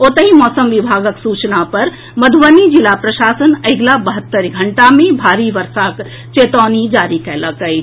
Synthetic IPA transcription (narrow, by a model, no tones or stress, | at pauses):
ot̪əɦimɔsəmʋibʱaɡəksut͡ʃnapəɾ | məd̪ʱuʋənid͡ʒilapɾəʃasənəɡlabəɦət̪ːəɾɡʱəɳʈamebʱaɾiʋəɾsak | t͡ʃet̪ɔnid͡ʒaɾikɛləkəj